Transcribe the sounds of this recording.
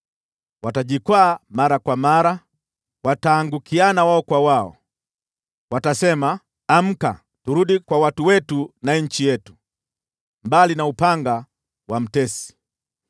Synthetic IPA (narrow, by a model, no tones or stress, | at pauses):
wataʄikwaːmaɾakwamaɾa | wataːŋɡukianawaɔkwawaɔ̰ | watasɛma | am̩ka̰ | tuɾuɗikwawatuwɛtunaɲ̩t͡ʃijɛtu̥ | mbalinaupaŋɡa | wam̩tɛsi̥